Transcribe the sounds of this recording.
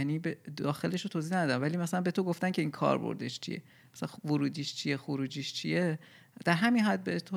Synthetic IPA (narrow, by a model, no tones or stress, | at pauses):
niːbed̪ɒːxe̞leʃot̪ʰoziːnæd̪ɒːd̪ænvæliːmæsælænbet̪oɡoft̪æncʰe̞iːnkʰɒ̰ːɾbo̰ɾd̪eʃt͡ʃʰḭje̞̰ | msælænvoɾuːd̪iːʃt͡ʃʰije̞xoɾuːd͡ʒiʃt͡ʃʰije | d̪̥æɾɦæminɦæd̪̚bet̪ʰo